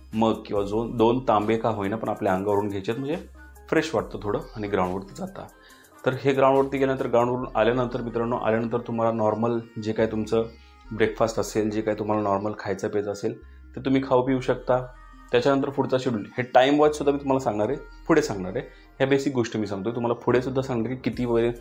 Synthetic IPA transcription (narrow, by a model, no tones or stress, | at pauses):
məɡkĩw̃ʋad͡zond̪ont̪ãmbekaɦojnapəɳapljaəŋɡaʋəɾuːnɡʱet͡ɕet̪məɳd͡ze | fɾeɕʋaʈ̚t̪əːt̪ʰoɽəaɽ̃iɡɾaw̃ɳʋəɾt̪iːd͡zat̪a̰ | t̪əɾɦeɡɾaw̃ɳ̃ʋəɾt̪iːɡʱelanənt̪əɾɡɾaw̃ɳ̃ʋəɾuːna̰ljanənt̪əɾmit̪ɾanːo̰ʔa̰ljanənt̪̬əɾt̪um̤alanɔɾməld͡ʑekaiːt̪umt͡sə | bɾekfasʈəseld͡ʑekait̪um̤alanɔɾməlkʰajt͡səped͡zəsel | t̪et̪um̤iːkʰaupiuɕək̚t̪a | t̪jat͡ɕanənt̪̬əɾfuɽt͡saɕiɽuliheʈaimʋat͡ssud̪ʱːamiːt̪um̤alasãŋɡɳaɾe | fʰuɽesãŋɡɳaɾe | hjabesiːk̚ɡoʂʈmiːsãŋɡt̪oet̪um̤alapʰuɽesud̪ʱːasãŋɡɳaɾkiːkit̪iːʋəɾe